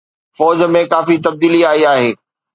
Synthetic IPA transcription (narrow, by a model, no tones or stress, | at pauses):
fɔːd͡ʑmẽkaːfit̪ɐb̚d̪iːliaːiaːɦeː